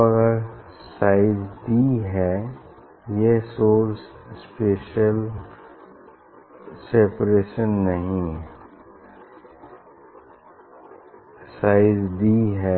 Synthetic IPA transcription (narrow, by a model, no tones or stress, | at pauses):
ɐɡəɾ | saːɪzd̪iɦɛː | jesoːɾsspeːʃəl | seːpɾeːʃənːɐɦĩ | saːɪzd̪iɦɛ